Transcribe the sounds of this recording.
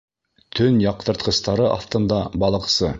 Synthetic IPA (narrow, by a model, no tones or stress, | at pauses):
t̪ʰɵnjɑq̚t̪ɤ̆ɾt̪qɤ̆st̪ɑɾɤʔɑ̰ft̪ɤ̆nd̪ɑbɑlˠɤ̆qsɤ